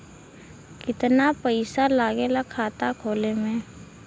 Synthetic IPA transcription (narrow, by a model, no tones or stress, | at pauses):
kɪt̪napəɪsalaːɡelakʰaːt̪akʰoːlemẽː